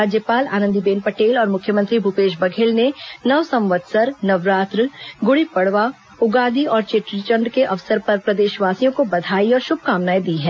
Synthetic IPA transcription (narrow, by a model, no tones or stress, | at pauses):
aːd͡ʒjəpaːla̰ːnə̃nd̪ibeːnpɐʈeːlɔːɾmʊkʰjəmə̃nt̪ɾibʱupeːʃbɐɡʱeːlnenɐʋsɐ̃mʋəd̪sɐɾnɐʋɾaːt̪ɾɡʊɽipɐɽʋa | ʊɡaːd̪iɔːɾt͡ʃeʈɾit͡ʃə̃ɳɖkeʔɐʋsəɾpɐɾpɾɐd̪eːʃʋaːsijõkobɐd̪ʱaːiɔːɾʃʊb̚ʱkaːmnaːjd̪iɦɛː